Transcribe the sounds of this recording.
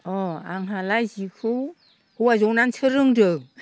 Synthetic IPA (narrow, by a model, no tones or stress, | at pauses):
ɔaŋɦalajzikʰɯw | huwazɔwnansʰɯɾɯŋdɯ